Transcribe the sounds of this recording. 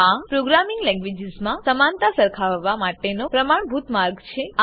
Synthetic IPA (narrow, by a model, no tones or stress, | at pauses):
apɾoɡɾamiŋɡlɛ̃ŋɡʋed͡ʒɪzmãsəmant̪asəɾkʰaʋʋːamaʈenopɾəmaɳ̃bʱut̪maɾɡt͡ʃʰea